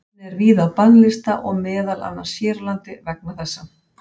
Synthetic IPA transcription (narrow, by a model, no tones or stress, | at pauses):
nɛɾviːðawpanlɪst̪aʔɔɣmɛːðala̰nːasjɛːɾɪlant̪ɪvɛk̚naθɛsːa